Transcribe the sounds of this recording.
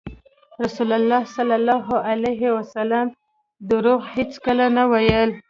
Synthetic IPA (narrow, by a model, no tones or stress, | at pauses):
ɾasulalːɑhsalːalːɑɦoʔalaɦewasalam | d̪əɾoɣhet͡skəlanawajəl